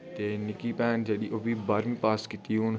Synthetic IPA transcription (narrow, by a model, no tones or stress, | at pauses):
t̪eːnɪkipɛːnd͡ʒeɗiʔoːbiːbɐɾmĩpaːskɪt̪iʊn